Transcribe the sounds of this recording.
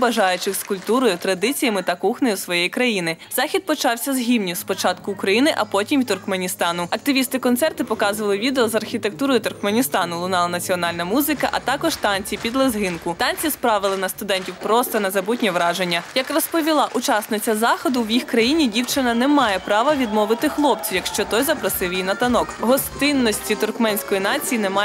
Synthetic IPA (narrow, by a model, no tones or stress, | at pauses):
bɐʒɑjʊt͡ʃɪxskʊlʲpt̪uɾɔjʊt̪ɾɐd̪ɪt͡sʲijɐmɪt̪ɐkuxnɔjʊsʋɔjɛjkɾɐjinɪz̥ɑxʲid̪̚pɔt͡ʃɑwsʲɐzɦʲiwnʲispɔt͡ʃɑt̪kʊːkɾɐjinɪʔɐpɔtʲimt̪ʊrkmenʲist̪ɑnʊɐk̚t̪ɪʋʲist̪ɪkɔnt̪sɛrt̪ɪpɔkɑzʊʋɐlˠɪʋʲid̪eɔzɐrxʲit̪ek̚t̪uɾɔjʊt̪ʊrkmenʲist̪ɑnʊlˠʊnɑlˠɐnɐt͡sʲiɔnɑlʲnɐmuzɪkɐ̰ʔɐt̪ɑkɔʒt̪ɑnʲt͡sʲijpʲid̪lˠɐzɦɪnkʊt̪ɑnʲt͡sʲispɾɑʋɪlˠɪnɐst̪ʊd̪ɛnʲtʲiwpɾɔst̪ɐnɐzɐbutʲnʲiʋɾɑʒenʲːɐjɐkrɔspɔʋʲilˠɑʔut͡ʃɑsnɪt͡sʲːɐzɑxɔd̪ʊwjixkɾɐjinʲidʲiwt͡ʃɪnɐnɛmɑjɛpɾɑʋɐʋʲid̪mɔʋɪt̪ɪxlˠɔpt͡sʲijɐkʃt͡ʃɔt̪ɔjzɐpɾɐsɪwjijnɐt̪ɐnɔkɦɔst̪ɪnːɔsʲtʲit̪ʊrkmɛnʲsʲkɔjinɑt͡sʲijinɛmɑ